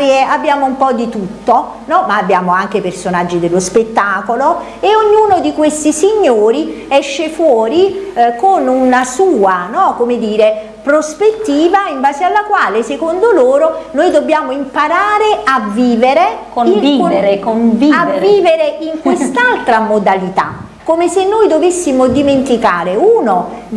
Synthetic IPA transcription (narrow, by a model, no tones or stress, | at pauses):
ɾieabːjaːmoumpɔd̪it̪ut̪ːo | nɔmaːbːjaːmoaŋk̟epersonad͡ʒːid̪elːospet̪ːaːkolo | eoɲːuːnod̪ikwest̪isiɲːoːɾi | ɛʃːefwɔːɾikonunasuːanɔkomed̪iːɾe | pɾospet̪ːiːvaimbaːzealːakwaːlesekond̪oloːɾonojd̪obːjaːmoimpaɾaːɾeavːiːveɾekoiŋieɾekonviavːiːveɾeiŋkwest̪alt̪ɾamod̪alit̪a̰ | kːomesenːojd̪ovesːimod̪iment̪ika̰ːɾeuːno